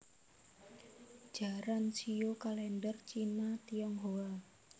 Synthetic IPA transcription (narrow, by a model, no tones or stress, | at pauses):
d͡ʒ̥a̤ɾansijokalɛndərt͡ʃinat̪iɔŋɦoa